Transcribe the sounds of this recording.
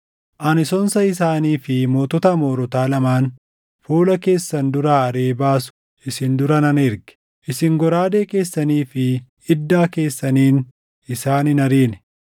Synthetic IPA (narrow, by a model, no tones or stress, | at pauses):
ʔɐnɪsɔnsɐɪsaːniːfɪmo̞ːt̪ɔt̪ɐmoːɾɔt̪aːlɐmaːn | fuːlɐke̞ːsːɐnd̪ʊɾaːɐɾeːbaːsʊ̥ | ʔɪsɪnd̪ʊɾɐnɐnɪɾɡɛ̥ | ʔɪsɪŋɡɔɾaːd̪e̞ːke̞ːsːɐniːfɪ | ɪd̪ːaːke̞ːsːɐniːn | ɪsaːnɪnɐɾiːnɛ